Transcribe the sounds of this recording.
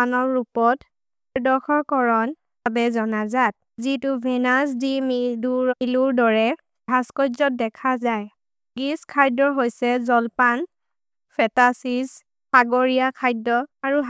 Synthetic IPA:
anɔɹupɔt | ɹdɔxʰɔɹkɔɹɔn | babɛzɔnazat̚zitubʱɛnasdimiduɹiluɹdɔɹɛ | bʱaskɔjzɔt̚dɛkʰazaj | ɡiskʰajdɔɦojsɛzɔlpan | pʰɛtasis | haɡɔɹijakʰajdɔaɹuɦ

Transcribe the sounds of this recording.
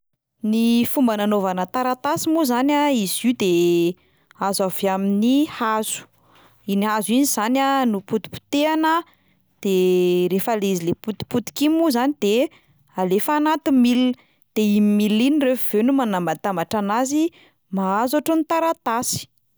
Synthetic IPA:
nifumbananovanət̪aɾat̪asimuzanaizid̪e | azaveaminihaz̥u̥ | iniɦaziɲiz̥ananuput̪i̥pu̥t̪eanə | d̪̥erefaleizileput̪i̥put̪i̥kimuzanid̪̥e | alefanat̪imil | d̪̥eimimilinirefuv̥enumanambat̪ambaʈ͡ʂanazi | maazaʈ͡ʂonit̪aɾat̪asi̥

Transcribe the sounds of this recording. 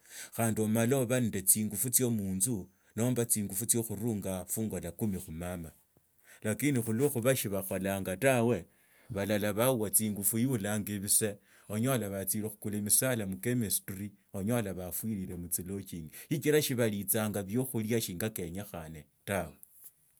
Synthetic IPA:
xaːndio̞maloβandet͡siːŋɡufut͡sjo̞muːnzu | no̞ːmbat͡siːŋɡufut͡sjo̞xuɾuːŋɡafuːŋɡolakumixumama | lakinixuloxuβaʃiβaxo̞laːŋɡatawe̞ | βalalaβauwat͡siːŋɡufujulaŋɡiβise̞ | oɲo̞laβat͡silexu̥kulemisalamukemesturi | oɲolaβafwiɾile̞mut͡silo̞t͡ʃiːŋɡeʃit͡ʃiɾaʃiβalit͡saːŋɡaβjo̞xuljaʃiːŋɡake̞ɲaxane | tawe̞

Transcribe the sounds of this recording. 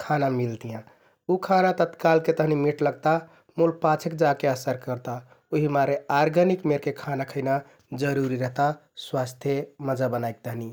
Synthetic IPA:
kʰanamilt̪ijã | ukʰanat̪ət̪kalket̪əɦnimiʈləɡ̚t̪a | mulpat͡ʃʰekd͡ʒakeəsəɾkəɾt̪a | oɦimaɾeaɾɡʱənikmeɾkekʰanakʰəɪna | d͡ʒəɾuɾiɾəɦt̪aswast̪ʰjeməd͡ʒabənajk̚t̪əɦni

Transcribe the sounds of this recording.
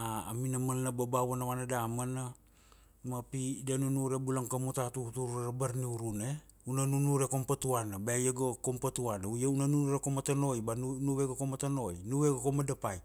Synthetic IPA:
aːminamalnababawanawanadamana | mapidanunuɾebulaŋkamut̪at̪ut̪uɾaɾabaɾniuɾune | unanunuɾekompat̪uanabejeɡokompat̪uanaujaunanunuɾekomat̪anojbannuweɡakomat̪anojnuweɡakomadapaj

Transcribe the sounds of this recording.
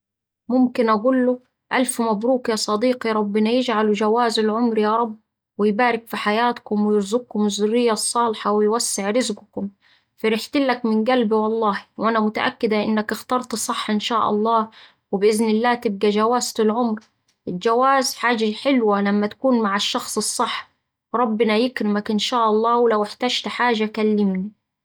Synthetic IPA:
mʊmkɪnʔaɡuːlːʊ | ʔalfmabɾuːkjɑːsˤɑd̪iːqiɾˤɑbːɪnajɪd͡ʒʕalud͡ʒawaːzɪlʕʊmɾjɑɾˤɑbː | wɪjbaːɾɪkfiħajaːt̪kʊmwɪjɪɾzʊɡ̚kʊmɪzːʊrːɪjːasˤːɑːlħawɪjwasːɪʕɾɪzɡʊkʊm | fɪɾɪħt̪ɪlːakmɪnɡalbiwɑlˤːɑːhwʔanamʊt̪a̰ʔa̰kːɪd̪aʔɪ̰nːakɪxt̪ɑɾˤt̪sˤɨħːʔɪnʃaːʔɑ̰lˤːɑː | wɪbʔɪznɪlːaːt̪ɪb̚ɡad͡ʒawaːzt̪ʊlʕʊmɾ | ʔɪld͡ʒawaːzħaːʒaħɪlwalamːat̪ḁkuːnmaʕɪʃːɑxsˤɨsˤːɨħː | ɾˤɑbːɪnajɪkɾɪmakʔɪnʃaːʔɑlˤːɑːwɪlawɪħt̪aːd͡ʒt̪ħaːʒakalːɪmni

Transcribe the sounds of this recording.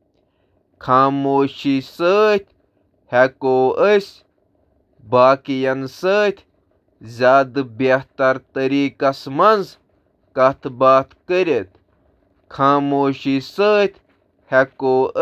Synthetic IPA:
kʰaːmoːʃisəːt̪ʲ | hekoːəsʲ | baːkijɐnsəːt̪ʲʰ | zʲaːd̪beht̪ɐɾt̪əɾiːkɐsmɐnz | kɐt̪baːt̪kəɾʲet̪ | kʰaːmoːʃisəːt̪ʲʰ | hekoː

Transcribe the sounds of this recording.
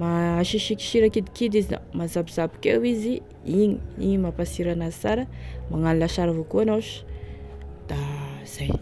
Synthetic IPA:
maaʃiʃiki̥ʃiɾakid̪ikid̪izina̰mazabiz̥abi̥kewizi | iɲiiɲimapasiɾanazi̥t͡saɾəmaŋanilaʃaɾavokuanaʃ | d̪̥az̥aj

